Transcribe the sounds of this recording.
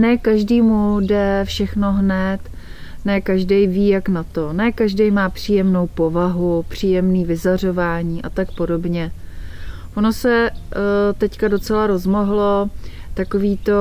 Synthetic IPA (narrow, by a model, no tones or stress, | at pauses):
nɛːkaʒdiːmudɛfʃɛxno̞ɦnɛt̪ | nɛːkaʒdɛjviːjaknat̪o̞nɛːkaʒdɛjmaːpr̝̥iːjɛmno̞wpo̞vaɦupr̝̥iːjɛmniːvɪzar̝o̞vaːɲiːʔat̪akpo̞do̞bɲɛ | ʔono̞sɛ | t̪ɛckado̞t͡sɛlaɾo̞zmo̞ɦlo̞ | t̪akoviːt̪o̞